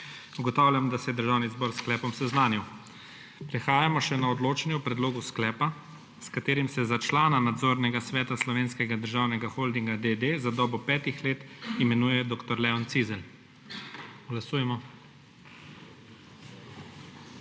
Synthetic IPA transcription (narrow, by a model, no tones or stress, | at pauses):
uɡɔt̪aːwlʲjamd̪asɛjɛd̪əɾʒaːwnizbɔːɾsklɛːpɔmsɛznaːniw | pɾɛxaːjamɔʃɛnaɔd̪loːt͡ʃɛnjɛwpɾɛd̪loːɡusklɛːpa | skat̪eːɾimsɛzat͡ʃlaːnanad̪zoːɾnɛɡasʋɛːt̪aslɔʋeːnskɛɡad̪əɾʒaːwnɛɡaxoːld̪iŋɡad̪ed̪ezad̪ɔːbɔpɛːt̪ixleːt̪imɛnuːjɛd̪oːkt̪ɔɾlɛɔnt̪sizɛl | ɡlasuːjɛmɔ